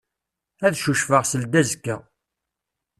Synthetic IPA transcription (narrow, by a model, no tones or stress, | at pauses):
æðʃuʃfəʁsəld̪æzkːə